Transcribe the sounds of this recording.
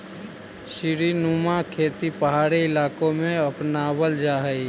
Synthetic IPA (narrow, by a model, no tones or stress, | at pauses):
ʃɪɾinumakʰeːt̪ipəɦaːɾiɪlaːkõmẽɐpnaːbəld͡ʒaːɦəi